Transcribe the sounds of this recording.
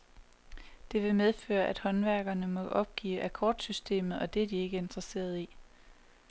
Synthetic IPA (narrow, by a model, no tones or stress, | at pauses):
d̥e̝ʋe̝með̞ˠfø̰ːɐʔæd̥hɒ̽nʋæɐɡ̥ɐnəmɒ̽ʔɒ̽b̥̚ɡ̥ḭːʔækʰɒ̰ːd̥sysd̥e̝̰ːmð̞̩ˠɒ̽d̥e̝æɐd̥ie̝ɡ̥əe̝nd̥ʁɐse̝̰ːɐð̞ˠi